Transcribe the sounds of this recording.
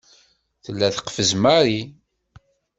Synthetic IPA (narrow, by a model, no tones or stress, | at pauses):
θəlːæθə̥qfəzmaɾi